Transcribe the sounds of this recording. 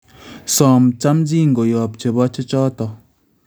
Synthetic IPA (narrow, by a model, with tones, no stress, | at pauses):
sɔ˨mt͡ʃa˦md͡ʒi˦ŋ̩˨ɡo˨jɔ˨p̚t͡ʃe˨bɔ˦t͡ʃe˦t͡ʃɔ˦tɔ˨